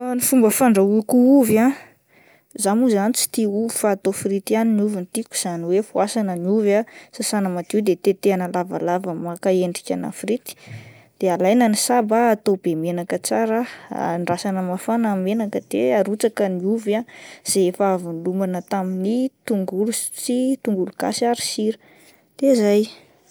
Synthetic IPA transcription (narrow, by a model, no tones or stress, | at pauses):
nifumbəfaɳɖ͡ʐaukuuva | zanuzanit͡si̥t̪iuvifaːt̪ofrit̪ianiniuvinit̪iku̥z̥aniwefuasanəniuvasasanəmat̪iwd̪et̪et̪eanəlava̰lavəmakaeɳɖ͡ʐikʲa̰na̰fɾit̪i̥ | d̪̥ealajnanisabaːt̪obemenakət͡saɾə̰ɳɖ͡ʐasanəmafanamenakəd̪̥ḛaɾut͡sakəniuvaz̥eefaavunlumbanət̪aminit̪uŋɡulut͡sit̪uŋɡuluɡa̰siaɾi̥siɾə | t̪ezaj